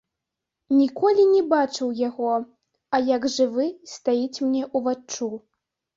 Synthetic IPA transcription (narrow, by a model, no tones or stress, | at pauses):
nʲikɔlʲinʲɛbat͡ʂɨwjaɣɔ | ɐjɐɡʐɨvɨst̪ajit͡sʲmnʲɛʔuvat͡ʂt͡ʂu